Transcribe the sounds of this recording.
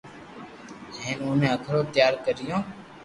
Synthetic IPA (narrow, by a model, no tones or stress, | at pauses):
ɦẽːnũːmẽːəkʰɾoːt̪jaːɾkəɾɪjõː